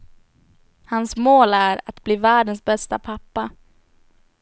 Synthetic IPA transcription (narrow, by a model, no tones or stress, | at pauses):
hansmoːlæɾat̪bliːvæːɖənsbɛst̪apʰapːa